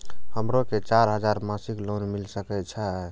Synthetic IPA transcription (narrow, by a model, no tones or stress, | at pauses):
həmɾoket͡ʃaɾɦəd͡ʒaɾmasiklonmilsəkɛt͡ʃʰə